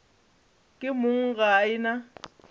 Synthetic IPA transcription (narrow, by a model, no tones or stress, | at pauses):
kʼɪmʊŋ̩ɣaɪna